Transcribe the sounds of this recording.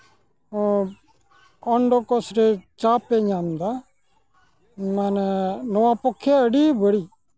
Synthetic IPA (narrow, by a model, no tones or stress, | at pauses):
ɔɳɖokɔsɾet͡ʃaːpeɲaːmd̪a | manɛnɔãːpɔkʰːeəɽibəɽiː